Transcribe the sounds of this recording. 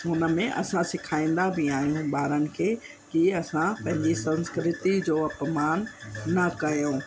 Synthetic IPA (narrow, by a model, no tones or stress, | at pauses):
ɦʊnə̆mẽʔɐ̰sãsɪkʰaːĩːnd̪abɪaːɦijũɓaːɾənɪ̆kʰeː | kiɐsãpɐ̃ɦɪ̃ɲd͡ʑisɐ̃nskɾɪt̪id͡ʑoːɐpmaːnːɐkɐjõː